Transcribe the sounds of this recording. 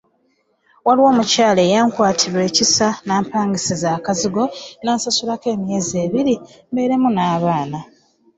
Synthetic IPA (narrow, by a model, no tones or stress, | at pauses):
waliwo̞ːmucaːle̞ːjaːŋkwaːtʰiɾwe̞ːcisanaːmpaːŋɡisezaːkaziɡo̞naːsasulake̞ːmje̞ːzeːβiɾi | mbe̞ɾe̞munaːβaːna